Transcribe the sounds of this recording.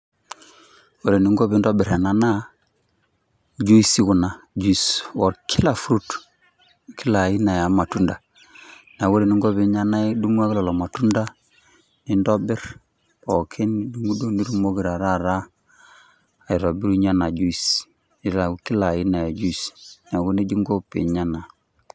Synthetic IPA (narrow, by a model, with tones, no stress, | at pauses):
wo˦˨ɾe˨ni˨˦ŋɡo˦bi˨ndo˦bɪ˨ɾɛ˨na˨na˦ | d͡ʒu˦i˦si˦ku˨na˨d͡ʒu˦i˨swɔ˨ɾkʰi˦la˨fu˦ɾu˦t | ki˦la˨ji˦na˨ja˨ma˨tu˦nda˨ | na˨wo˦ɾe˨ni˦ŋɡo˦bi˨˦ɲa˦na˦i˦du˦ŋu˦a˦ki˦lɔ˨lɔ˨ma˨tu˦nda˦ | ni˦ndo˦bɪ˦ɾ | bo˨kʰe˦ni˦du˦ŋu˦do˦ni˦ɾu˦mo˦ɡi˨ɾa˨ɾa˦ɾa˦ | a˨i˨ɾo˨bi˦ɾu˦ɲa˦na˨ɟu˦i˨s | i˨˦ɾa˨ki˦la˨ji˦na˨ja˨d͡ʒu˦i˨sna˨ɡu˦ne˦d͡ʒi˦ŋɡo˦pḛ˨ɲa˦na˨